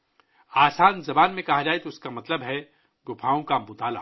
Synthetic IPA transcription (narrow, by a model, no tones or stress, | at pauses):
aːsaːnzɐbaːnmẽkɐɦad͡ʒaːet̪oʊskamɐt̪ləbɦɛ | ɡʊpʰaːõkamʊt̪aːla̰ː